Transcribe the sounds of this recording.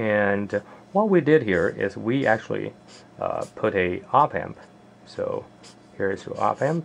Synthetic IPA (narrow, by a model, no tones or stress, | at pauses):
ɨ̃nwʌt̚widɪd̚ɦiɹɪ̰zwiʔæk̚t͡ʃul̩ˠḭ | pʰʊɾɨɑpæ̰̃mp | so̰ʊ | hiɹɨstṵʔɑ̰pæ̃mp̚